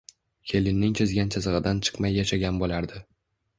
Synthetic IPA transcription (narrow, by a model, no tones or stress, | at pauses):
kʲʰe̞lɪnːɪŋt͡ʃʰɪzɡʲant͡ʃʰazɨʁɨd̪ant͡ʃʰɨ̥qmajːaʃaɡʲanbolaɾd̪ɪ